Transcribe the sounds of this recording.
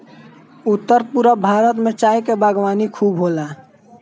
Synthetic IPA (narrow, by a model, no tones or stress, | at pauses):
ʊt̪ːəɾpuɾabʱaːɾət̪mẽt͡ʃaːikebaɡwaːnikʰuːbɦoːla